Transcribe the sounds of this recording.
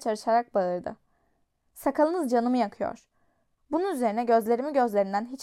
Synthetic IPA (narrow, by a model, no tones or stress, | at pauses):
t͡ʃʰaɾɯʃaɾak̚baɯɾd̪ɯ̰ | sakʰalˠɯnɯzd͡ʒanɯmɯjakʰɯjo̰ɾ̥ | bununyze̞ɾinɛɟø̞zlʲe̞ɾimiɟø̞zlʲe̞ɾind̪ænɦit͡ʃ